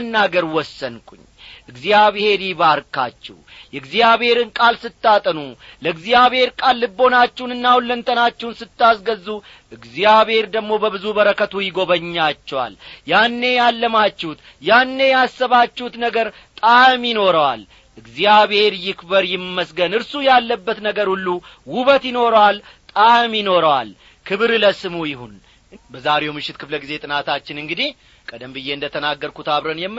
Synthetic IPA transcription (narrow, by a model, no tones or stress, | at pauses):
nːaɡəɾwɔsːənkʼuɲː | ʔɨɡzjaβhe̞ɾjiβaɾkʰʼːa̰t͡ʃːɛ̰wjɛɡzijaβhe̞ɾɨnkʼalsɨt̪ːat̪ʼənuləɡzijaβhe̞ɾkʼalːɨbːo̞nat͡ʃːɛwunɨnːawulːənt̪ʰənat͡ʃːɛwnsɨt̪ːasɡəzːu | ʔɨɡzjaβhe̞ɾd̪əɡmo̞bəβɨzubəɾəkʰət̪ʰujɪɡo̞βəɲːat͡ʃːɛwa̰ljanːejalːəmat͡ʃːɛut̪ | janːe̞jasːəβat͡ʃːɛut̪nəɡəɾ | t̪ʼamjɪno̞ɾəwal | ʔɨɡzijaβhe̞ɾjɪkbəɾjɪmːəsɡənɨɾsujalːəbːət̪nəɡəɾhulːu | wuβət̪jɪno̞ɾwalt̪ʼamjɪno̞ɾəwal | kʰɨβɾləsɨmujɪhun | bəzaɾe̞wmɨʃːɪt̪kʰɨfləɡize̞t̪ʼɨnat̪ʰat͡ʃːɪnɨŋɡɨd̪i | kʼəd̪əmbɨje̞ɨnd̪ət̪ʰənaɡːəɾkut̪ʰaβɾənjɛmː